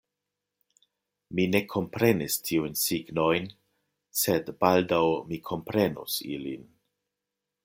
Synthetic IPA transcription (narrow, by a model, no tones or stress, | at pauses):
mine̞kʰo̞mpɾe̞nistʰiujnsiɡno̞jn | sedbaldawmikʰo̞mpɾe̞nṵsḭlḭn